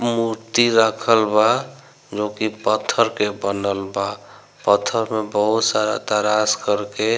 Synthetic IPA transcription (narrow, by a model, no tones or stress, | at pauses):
muɾt̪iɾəkʰəlba | d͡ʒokipət̪ʰːəɾkebənəlba | pət̪ʰːəɾmebəɦut̪saɾa̰t̪aɾaskəɾke